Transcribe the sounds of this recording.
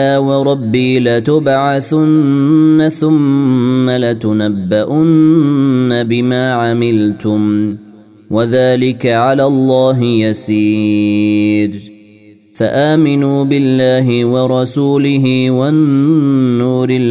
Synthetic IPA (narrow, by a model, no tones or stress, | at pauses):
aːwɑɾˤɑbːiːlat̪ʊbʕaθʊnːaθʊmːalat̪ʊnabːaʔʊnː | abɪmaːʕamɪlt̪ʊm | wʔaðaːlɪkaʕalaːlˤːɑːɦɪjasiː | ɾ | faʔaːmɪnuːbɪlːaːɦɪwɑɾˤɑsuːlɪɦɪwanː | uːɾɪ